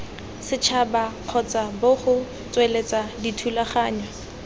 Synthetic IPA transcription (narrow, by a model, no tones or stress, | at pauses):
sɪt͡ʃʰabaq͡χʰɔt͡sʼabʊχʊ | t͡sʼwelet͡sʼaditʰulaχaːɲwa